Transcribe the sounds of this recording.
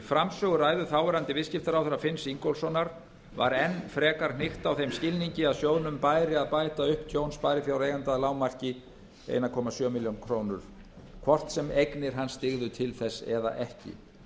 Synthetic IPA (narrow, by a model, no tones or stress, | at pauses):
fɾamsœːɣʏɾaːjðʏθaːwvɛɾant̪ɪvɪscɪft̪aɾawθɛɾafɪnsiŋkowlsɔnaɾ | va̰ɾɛnːfɾɛːkaɾ̥nɪxt̪awθejmscɪlniɲcɪaðsjoːwðnʏmpaːjɾɪaðpaːjt̪aʏhpt̪ʰjownspajɾɪfjawɾejɣant̪aðlaːwmar̥cɪ | ḛjnakʰɔːmasjœːmɪljownkʰɾoːwnʏɾ̥ | kʰvɔr̥t̪sɛmejknɪɾ̥ɦanːst̪ɪɣðʏt̪ʰɪlθɛsːɛ̰ða̰ʔɛhcɪ̰